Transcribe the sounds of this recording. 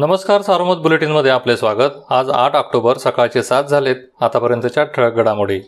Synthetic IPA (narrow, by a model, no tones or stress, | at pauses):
nəməskaɾsaɾomət̪̚buleʈiːnməd̪ʱjeaplesʋaɡət̪ad͡za̰ʈʰɔkʈobəɾsəkaɭt͡ɕesat̪̚d͡zʱalet̪̚ | at̪apəɾjənt̪ət͡ɕjaʈʰəɭɡəɽamoɽiː